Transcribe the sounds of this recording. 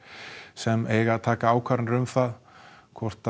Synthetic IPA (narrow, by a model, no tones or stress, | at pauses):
sɛmeːjɣaðt̪ʰaːkaaːwkʰvaɾnɾʏmfaðkʰvɔr̥t̪